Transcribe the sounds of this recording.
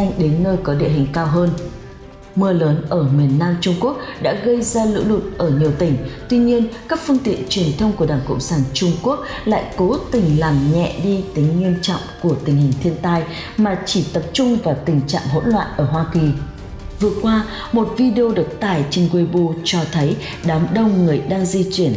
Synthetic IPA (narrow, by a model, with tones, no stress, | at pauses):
jŋɗe˨˦nːəː˧jkɔ˨˦ɗḭ˧əhï˨˩ŋ̟kaː˧wɦəː˧n | mɨ˧ələː˨˦nʔəː˧˩mi˨˩ənːaː˧mt͡ɕʊ˧ŋ͡mku˦˥ək̚ɗa̰ː˧˥ɣə˧jzaː˧lɨ̰˧˥lu˨˩t̚ʔəː˧˩ɲi˨˩əwt̪ï˧˩ŋ̟t̪wi˧ɲi˧ənkaː˦˥k̚fɨ˧əŋt̪ḭ˧˨ənt͡ɕwi˨˩ənt̪ʰə˧wŋ͡mku˧˩ə˩ɗaː˧˩ŋkə̰˧˨wŋ͡msaː˧˩nt͡ɕʊ˧ŋ͡mku˦˥ək̚ | la̰ː˧˨jko˨˦t̪ï˨˩ŋ̟laː˨˩mɲɛ̰˧˨ɗi˧t̪ï˨˦ŋ̟ɲi˧ənt͡ɕɔ̰˧˨wŋ͡mku˧˩ət̪ï˨˩ŋ̟hï˨˩ŋ̟t̪ʰi˧ənt̪aː˧j | maː˨˩t͡ɕi˧˩t̪ə˨˩p̚t͡ɕʊ˧ŋ͡mvaː˨˩t̪ï˨˩ŋ̟t͡ɕa̰ː˧˨mɦo̰˧˥nlwa̰ː˧˨nʔəː˧˩ɦwaː˧ki˨˩ | vɨ˨˩əkwaː˧ | mo˨˩t̚vi˧ɗe˧o˧ɗɨ˨˩ək̚t̪aː˧˩jt͡ɕï˧˩ŋ̟kwe˧ɓu˧t͡ɕɔ˧t̪ʰə˨˦j | ɗaː˨˦mɗə˧wŋ͡mŋɨ˨˩əjɗaː˧ŋzi˧t͡ɕi˧˩ən